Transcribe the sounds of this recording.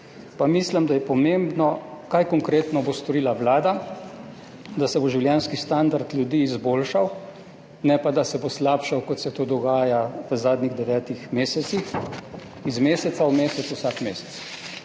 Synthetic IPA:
pamisləmd̪ajɛpɔmẽmbnɔkajkɔŋkɾeːt̪nɔbost̪ɔɾiːlaʋlaːd̪a | d̪asɛboʒiwljɛːnskist̪and̪aɾt̪lʲjud̪iːzboːlʃaw | nɛpad̪asɛboslaːpʃawkɔt̪sɛt̪oːd̪ɔɡaːjaʋəzaːd̪niɣd̪ɛʋɛːt̪ixmeːsɛt̪six | izmeːsɛt̪saumeːsɛt̪susakmeːsɛ̥t̪s

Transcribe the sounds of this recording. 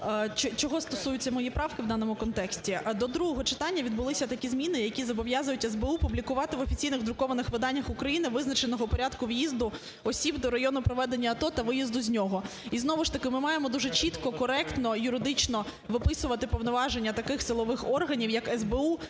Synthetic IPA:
t͡ʃɔt͡ʃɔɦɔst̪ɔsujʊtʲt͡sʲːɐmɔjipɾɑwkɪʋd̪ɑnɔmʊkɔnt̪ɛksʲtʲid̪ɔd̪ɾuɦɔɦɔt͡ʃɪ̥t̪ɑnʲːɐʋʲid̪bʊlˠɪsʲɐt̪ɐkʲizʲmʲinɪjɐkʲizɐbɔʋjɑzʊjʊtʲɛzbeupublʲikʊʋɑt̪ɪʋɔfʲit͡sʲijnɪɣd̪ɾʊkɔʋɐnɪxʋɪd̪ɑnʲːɐxʊkɾɐjinɪʋɪznɐt͡ʃenɔɦɔpɔɾʲad̪kʊʋjizd̪ʊ | ɔsʲibd̪ɔɾɐjɔnʊpɾɔʋɛd̪enʲːɐːt̪ɔt̪ɐʋɪjizd̪ʊzʲnʲɔɦɔ | iznɔʋʊʃt̪ɐkɪmɪmɑjemɔd̪uʒɛt͡ʃit̪kɔkɔɾɛkt̪nɔjʊɾɪd̪ɪt͡ʃnɔʋɪpɪsʊʋɐt̪ɪpɔʋnɔʋɑʒenʲːɐt̪ɐkɪxsɪlˠɔʋɪxɔrɦɐnʲiwjɐkɛzbeu

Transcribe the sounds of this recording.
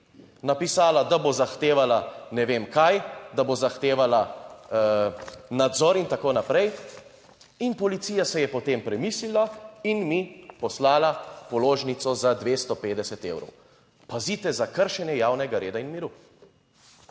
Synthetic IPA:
napisaːlad̪abozaxt̪eːʋalanɛʋeːmkajd̪abozaxt̪eːʋala | nad̪zɔɾint̪akoːnapɾɛj | inpɔlit̪siːjasɛjɛpɔt̪empɾɛmiːslilainmipɔslaːlapɔloːʒnit̪sɔzad̪ʋeːst̪ɔpeːd̪ɛsɛt̪ḛːwɾɔ̰w | pazit̪ɛzakəɾʃɛnjɛjaːwnɛɡaɾeːd̪ainmiɾu

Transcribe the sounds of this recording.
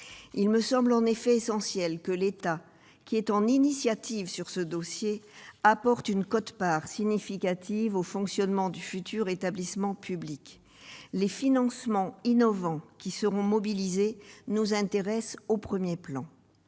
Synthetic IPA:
ilməsɑ̃blɑ̃nefɛesɑ̃sjɛlkəlet̪a | kʲʰiɛt̪ɑ̃ninisjat̪ʰivsyʁsəd̪ɔsjeapɔʁt̪ynkɔt̪paʁsiɲifikat̪ivofɔ̃ksjɔnmɑ̃d̪yfyt̪ʰyʁet̪ablismɑ̃pʰyblik | lefinɑ̃smɑ̃inɔvɑ̃kʲisəʁɔ̃mɔbilizenuzɛ̃t̪eʁɛsopχəmjeplɑ̰̃

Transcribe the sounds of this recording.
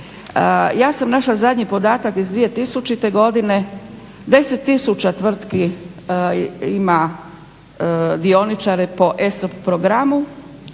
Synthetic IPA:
jaːsamnaʃlazad̪ɲipo̞d̪aːt̪akizd̪ʋije̞t̪isut͡ʃit̪eɡo̞d̪ine | d̪e̞se̞t̪ːisut͡ɕat̪ʋr̩t̪ki | ima | d̪io̞nit͡ʃaɾepo̞ʔesppɾoɡɾamu

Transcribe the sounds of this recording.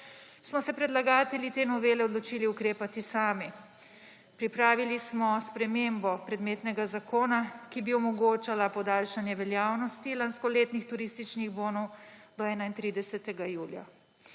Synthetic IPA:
smɔsɛpɾɛd̪laɡaːt̪ɛljit̪eːnɔʋeːlɛɔd̪lɔt͡ʃiːliukɾeːpat̪isaːmi | pɾipɾaːʋilismɔspɾɛmeːmbɔpɾɛd̪meːt̪nɛɡazakoːnakibiɔmɔɡoːt͡ʃalapɔd̪aːlʃanjɛʋɛljaːwnɔst̪ilanskɔleːt̪nixt̪uɾiːst̪it͡ʃniɣboːnɔwd̪ɔɛːnaint̪ɾiːd̪ɛsɛt̪ɛɡajuːlja̰

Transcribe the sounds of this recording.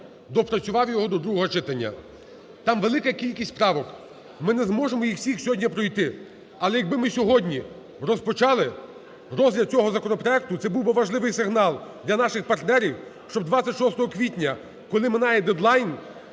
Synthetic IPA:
d̪ɔpɾɐsʲʊʋɑwjɔɦɔd̪ɔd̪ɾuɦɔɦɔt͡ʃɪt̪ɐnʲːɐ̰ | t̪ɑmʋelˠɪkɐkʲilʲkʲisʲt̪ʲpɾɑʋɔk | mɪnɛzmɔʒemɔjixwsʲixsʲɔɦɔdʲnʲɐpɾɔjt̪ɪ | ɐlˠɛjɐɡ̚bɪmɪsʲɔɦɔdʲnʲi | rɔspɔt͡ʃɑlˠɪ | rɔzʲlʲɐd̪̚t͡sʲɔɦɔzɐkɔnɔpɾɔɛk̚t̪ʊt̪sɛbuwbɪʋɐʒlˠɪʋɪjsɪɦnɑlˠd̪lʲɐnɑʃɪxpɐrt̪nɛɾʲiwʃt͡ʃɔbd̪ʋat͡sʲːɐtʲʃɔst̪ɔɦɔkʋʲitʲnʲɐ | kɔlˠɪmɪnɑjɛd̪ɛd̪lˠɑjn

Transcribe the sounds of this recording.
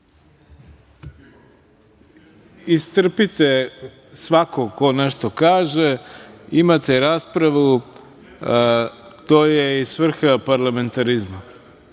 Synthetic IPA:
ist̪r̩pit̪e | sʋakoko̞neʃt̪okaːʒeimat̪eɾaːspɾaʋu | t̪oːjeisʋr̩xapaɾlame̞nt̪aɾizma

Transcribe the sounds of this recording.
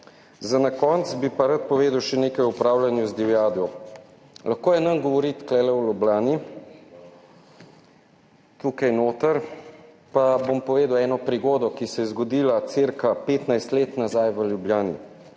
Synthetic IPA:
zanakɔnt̪sbipaɾat̪̚pɔʋeːd̪əwʃɛneːkajupɾaːwlanjuzd̪iwjaːd̪ɔ | laxkoːjɛnanɡɔʋɔɾit̪klɛːlɛwlublaːni | t̪uːkajnoːt̪əɾ | pabompɔʋeːd̪əwɛːnɔpɾiɡoːd̪ɔkisɛjɛzɡɔd̪iːlat̪seɾkapeːt̪najst̪leːt̪nazajʋəljubljaːnḭ

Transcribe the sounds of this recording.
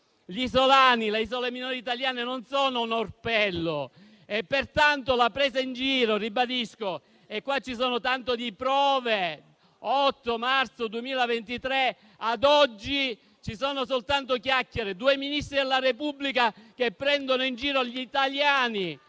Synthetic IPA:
ʎizolaːnileizoleminɔːɾiːt̪aljaːnenonsoːnonorpɛlːo | epːert̪ant̪olapɾeːzaind͡ʒiːɾoribad̪isko | ekːwat͡ʃːisoːnot̪ant̪od̪ipɾɔːve | ɔt̪ːomart̪sod̪uemiːlavent̪it̪ɾe | ad̪ɔd͡ʒːi | t͡ʃisoːnos̬olt̪ant̪okjakːjeɾed̪uːeminist̪ɾid̪elːaɾepubːlikakepːɾɛnd̪onoind͡ʒiːɾoʎit̪aljaːni

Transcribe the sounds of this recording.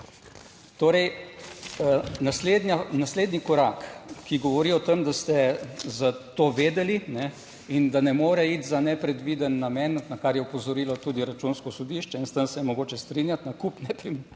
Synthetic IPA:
t̪oːɾɛj | nasled̪nanasleːd̪nikɔɾaːkkːiɡɔʋɔɾiɔt̪əmd̪ast̪ɛzat̪oːʋeːd̪ɛlinɛ | ind̪anɛmoːɾɛit̪zanɛpɾɛd̪ʋid̪ənːamɛnt̪nakaɾjɛɔpɔzɔɾilɔt̪uːd̪iɾat͡ʃunskɔsɔd̪iʃt͡ʃɛinst̪ənsɛjɛmɔɡoːt͡ʃɛst̪ɾinjat̪nakupnɛpɾim

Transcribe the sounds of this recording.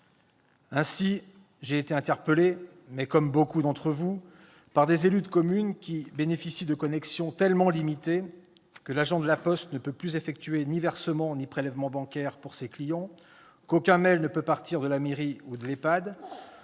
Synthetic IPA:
ɛ̃si | ʒeːt̪eɛ̃t̪ɛʁpəle | mɛkɔmbokud̪ɑ̃t̪χəvu | paʁd̪ezelyd̪kɔmynkʲibenefisid̪əkɔnɛksjɔ̃t̪ɛlmɑ̃limit̪e | kəlaʒɑ̃d̪əlapɔst̪nəpøplyzefɛk̚t̪ɥenivɛʁsəmɑ̃nipχelɛvmɑ̃bɑ̃kʲɛʁpuʁseklijɑ̃ | kokʲɛ̃mɛlnəpøpaʁt̪ʰiʁd̪əlameʁiud̪əlepad̪

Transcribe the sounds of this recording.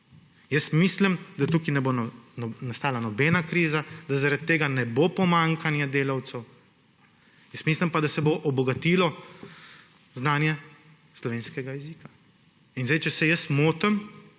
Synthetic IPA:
jəsmislimd̪at̪uːkinɛbonnast̪aːlanɔbɛnakɾiːzad̪azaɾat̪̚tːeːɡanɛbopɔmaŋkʰanjɛd̪eːlawt̪sɛw | jəst̪mislimpad̪asɛboʔɔbɔɡat̪ilɔ | znaːnjɛ | slɔʋeːnskɛɡajɛzika | inzɛjt͡ʃɛsɛjəsmoːt̪əm

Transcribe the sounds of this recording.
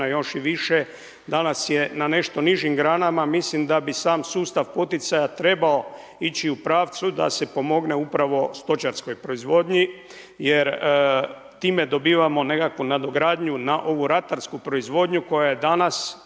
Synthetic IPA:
ajo̞ʃiʋiʃe | d̪anasje̞nane̞ʃt̪o̞niʒimɡɾaːnamamislimd̪abisaːmsuːst̪aʋpo̞t̪it̪sajat̪ɾe̞bao̞ | it͡ɕiupɾaːʋt̪sud̪a̰se̞po̞mo̞ɡne̞upɾaʋo̞st̪o̞t͡ʃaɾsko̞jpɾo̞izʋo̞d̪ɲi | jeɾ | t̪iːme̞d̪o̞biːʋamo̞ne̞kakʋunad̪o̞ɡɾaːd̪ɲunaʔo̞ʋuɾat̪aɾskupɾo̞izʋo̞ːd̪ɲuko̞jajed̪anas

